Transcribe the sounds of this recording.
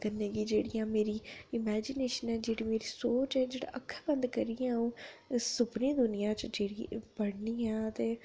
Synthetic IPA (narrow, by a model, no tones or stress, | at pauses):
kənːẽːɡiːd͡ʒeːɽijãːmeːɾiːɪmɛːd͡ʒɪneːʃənɛːd͡ʒeːɽiːmeːɾiːsoːt͡ʃɛːd͡ʒeːɽa̰ːʔəkʰːbənd̪kəɾijãũːsʊbnĩːd̪ʊnɪjãːt͡ʃd͡ʒeːɽibəɽniːɛ̃ːt̪eː